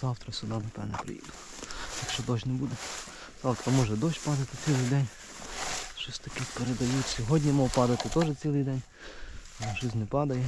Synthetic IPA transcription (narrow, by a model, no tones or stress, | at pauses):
z̥ɑwt̪ɾɐsʊd̪ɑnɐp̪ɛ̰nɛpɾɪ̰jḭd̪ʊ | jɐkʃt͡ʃɔd̪ɔʃʲnɛbud̪ɛ | z̥ɑwt̪ɾɐmɔʒɛd̪ɔʃʲpɑd̪ɐt̪ɪt͡sʲilˠɪjd̪ɛnʲ | ʃɔsʲt̪ɐkɪxpeɾed̪ɐjutʲsʲɔɦɔdʲnʲimɔwpɑd̪ɐt̪ɪt̪ɔʒɛt͡sʲilˠɪjd̪ɛnʲ | lˠɛʃɔs̬ʲnɛpɑd̪ɐjɛ